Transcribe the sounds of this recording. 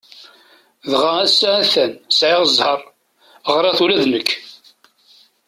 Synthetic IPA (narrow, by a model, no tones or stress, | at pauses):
ðʁææsːææθænsʕeʁəzˤhəɾˤ | əʁɾˤɑθulæðnəkʰː